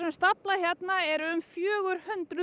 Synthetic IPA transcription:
ɛmst̪aplaçjɛt̪naɛɾʏmfjœːɣʏɾ̥hʏnt̪ɾʏ

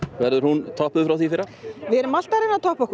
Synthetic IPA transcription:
vɛɾðʏɾhunt̪ʰɔhpʏðfɾawθiθɪɾavɪɛɾʏmːal̥t̪aɾɪnaðt̪ʰɔːhpahk

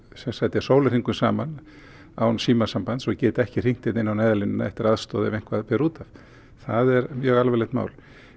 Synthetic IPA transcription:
sɛmsat̪ɪ̥soːwlɪr̥iŋkʏmsa̰ːman | a̰wnsiːmasampant̪sɔɣcɛːt̪ɪɛhcɪr̥iŋ̥t̪ɪt̪ɪnːawnaːjðalɪnːɪnaɛht̪ɪɾaðst̪ɔːðɛ̰vejŋ̥kʰvaðpɛːɾuːt̪av | θaðɛɾmjœːɣalvɛlɛht̪ma̰ːwl

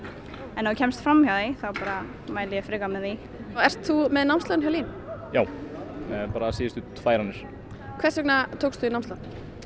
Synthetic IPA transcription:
ɛnːaðucʰɛmst̪fɾamçawðiθawpaːɾa | maːjlɪjɛfɾɪːkamɛði | ɛr̥t̪θumɛðnawmst̪lançjawlinjaːwɛpaːɾasiːjɪst̪ut̪ʰvaːjɾanːɪɾ̥ | kʰv̥ɛɾsœknat̪ʰoːwkst̪θuinawmst̪lan

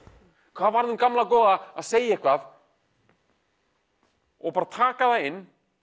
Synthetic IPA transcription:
kʰwavaɾðɪnɡamlˠaɡɔːaasejɛkʰav | ɔbart̪ʰaːkaðaɪn

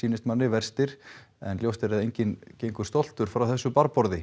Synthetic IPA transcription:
iːnɪst̪manːɪvɛr̥st̪ɪɾ̥ | ɛ̰nljowst̪ɛɾɪðejɲcɪncejŋkʏɾ̥st̪ɔl̥t̪ʏɾ̥fɾawθɛsːʏpaɾpɔɾðɪ

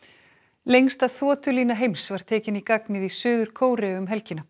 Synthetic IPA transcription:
lejnst̪aθɔːt̪ʏliːnaɦejmsvaɾ̥t̪ʰɛːcɪnikaknɪðisʏːðʏɾ̥kʰoːwɾɛɣʏmɦɛlcɪna

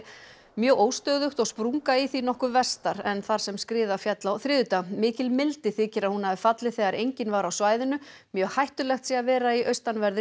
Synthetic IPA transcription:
mjœːɣoːwst̪œːɣðʏxt̪ɔɣspɾuŋkaiθinɔhkʏvɛst̪aɾɛnθaɾ̥sɛmskɾɪːðafjat̪lawθɾɪːðʏt̪amɪːcɪlmɪlt̪ɪθɪːcɪɾahunaɛɾfat̪lɪθɛɣaɾejɲcɪnvaɾawsvaːjðɪnʏ | mjœːɣhajht̪ʏlɛxt̪siavɛːɾaiʔœɥst̪anvɛɾð

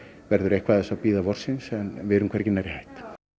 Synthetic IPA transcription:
vɛɾðʏɾɛhkʰvaðθɛsapiːðavɔr̥sinsɛnvɪɾʏmkʰvɛɾcɪnajɾɪhajht̪

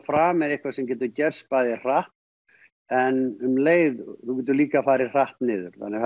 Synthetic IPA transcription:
fɾaːmɛðɪhkvasɛmcɛːt̪ʏcɛ̥spaðɪr̥aht̪n | ɛnʏmleːjðθucɛːt̪̬ʏɾliːkafaːɾɪ̥r̥aht̪nɪːðʏɾ̥θanːɪ

